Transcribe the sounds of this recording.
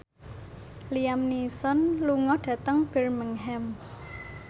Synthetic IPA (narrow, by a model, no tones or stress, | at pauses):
liamnisɔnluŋɔɖ̥ä̤t̪əŋb̥ɛrmiŋɦɛm